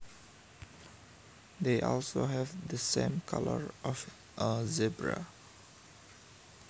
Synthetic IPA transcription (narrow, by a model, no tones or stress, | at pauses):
d̪eʔɔlsoɦɛvd̪əsẽmkʰaləɹʔɔf | ʔəzibɹa̰